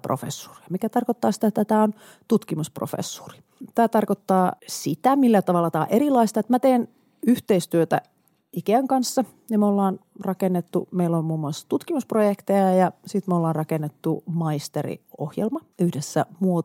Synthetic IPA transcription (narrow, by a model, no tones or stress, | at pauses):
pro̰fḛsːu̥ri̥ɑmikæt̪ɑrkot̪ːɑːsi̥t̪æet̪ːæt̪æːon | t̪ut̪kimuspro̰fḛsːu̥ri̥ | t̪æːt̪ɑrkot̪ːɑːsit̪æmilːæt̪ɑʋɑlːɑt̪æ̰ːʔeɾilɑist̪ɑet̪mæt̪eːn | yht̪eist̪yøt̪æ̰ | ikeæŋkɑnsːɑ | nimolːɑːnrɑkenːet̪ːṵmeilːommuːmːuɑst̪ut̪kimusprojekt̪ejɑjɑsit̪meolːɑːnrɑkenːet̪ːumɑist̪erḭo̰hjelmɑyhdesːæ̰muo